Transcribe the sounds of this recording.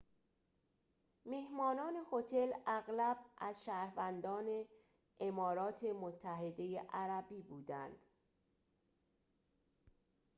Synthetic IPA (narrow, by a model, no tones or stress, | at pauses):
mehmɒːnɒːne̞hot̪ʰe̞læɣlæbʔæzʃæːɾvænd̪ɒːne̞ | ʔemɒːɾɒːt̪ʰe̞mot̪ʰːæɦed̪e̞jeʔæɾæbiːbuːd̪ænd̪̥